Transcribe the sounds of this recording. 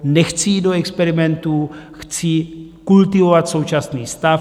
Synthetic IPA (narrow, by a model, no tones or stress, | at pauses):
nɛxt͡siiːdoɛkspɛɾimɛnt̪uxt͡sikult̪ivovat̪so̞wt͡ʃasniːst̪a